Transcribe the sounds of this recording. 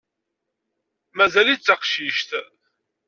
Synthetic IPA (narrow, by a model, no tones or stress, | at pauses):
mæzælit͡sːəqʃiʃt̪